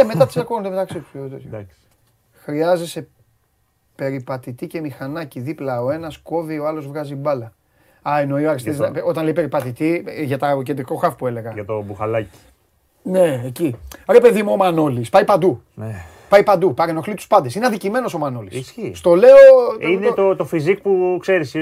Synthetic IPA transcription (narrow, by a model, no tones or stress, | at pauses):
eme̞tt̪ɐt̪i̥sɐkoond̪eme̞t̪ɐksit̪u̥set̪esɐks | xɾiɐzese̞ | pe̞ɾipɐt̪it̪ice̞mixɐnɐciðiplɐo̞e̞nɐsko̞vio̞ɐlo̞zvɣɐzibɐlɐ | ɐeno̞ioɐɾist̪eiznɐo̞t̪ɐnleipe̞ɾipɐt̪it̪iʝɐt̪ɐoced̪ɾiko̞xɐfopue̞le̞ɣɐʝɐt̪obuxɐlɐci̥ | ne̞eciɾe̞pe̞ðimuomɐno̞lispɐjpɐnd̪u | n | pɐjpɐnd̪upɐɾeno̞xlit̪u̥spɐnd̪esineɐnðicime̞no̞so̞manolisisçist̪o̞le̞oinet̪ot̪ofizik̚pukse̞ɾisi